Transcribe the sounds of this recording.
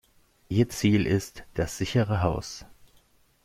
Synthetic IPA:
ʔiːɐt͡siːlʔɪstd̥asz̥ɪçəʁəɦaʊs

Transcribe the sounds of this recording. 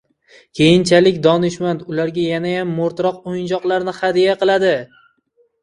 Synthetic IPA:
kʲʰe̞jɪnt͡ʃʰalɪkʲd̪ɒnɪʃmand̪ʊlaɾɡʲajanajamːoɾt̪ɾɒqojɪnd͡ʒɒqlˠaɾnɪχad̪ijaqɨlˠad̪ɪ

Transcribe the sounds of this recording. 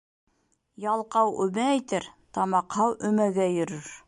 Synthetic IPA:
jɑlˠqɑwɵmæːjt̪æɾt̪ɑmɑqhɑwʔɵ̆mæɡæjɵ̆ɾɵɾ

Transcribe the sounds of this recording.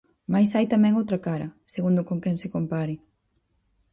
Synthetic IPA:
majsajt̪amɛ̃ŋowt̪ɾɐkaɾɐ̰seɣund̪ʊkoŋkɛŋsɪkompaɾɪ

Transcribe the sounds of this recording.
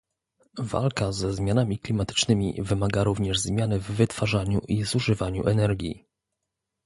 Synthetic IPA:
va̰lkazɛzmʲjanamʲiklʲimat̪ɘ̥t͡ʂnɘmʲḭvɘmaɡaɾuvɲɛʐzmʲjanɘvːɘt̪faʐaɲṵʔizuʐɘvaɲṵʔɛnɛɾɡʲjḭ

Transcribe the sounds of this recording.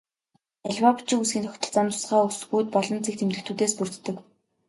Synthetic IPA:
æɮʲwapʰt͡ɕɪ̆ŋusɡiːnt̪ʰɔkʲt̪ʰɞ̆ɮt͡saːnt̪ʰʊ̥sɢaːusxuːt̪̚pɔɮɞ̆nt͡sik̚t̪ʰemt̪ɮɘ̆kt̪ʰuːt̪eːspur̥t̪ːɘ̆k

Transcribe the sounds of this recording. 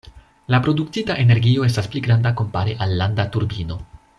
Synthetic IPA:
lapɾo̞duktitaʔe̞ne̞ɾɡio̞e̞s̬taspliɡɾandako̞mpaɾiʔalːandatuɾbino̞

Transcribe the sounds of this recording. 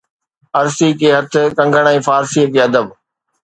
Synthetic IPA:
ɐɾsiːkeːɦɐt̪ʰɪ̆kɐ̃ŋɡʱəɽ̃ɛ̃ːfaːɾsiːəkeːɐd̪əb

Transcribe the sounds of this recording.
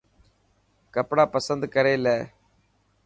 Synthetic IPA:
kɐpːɐɽaːpɐsɐnd̪ɯkɐɾɐɪlːɛ

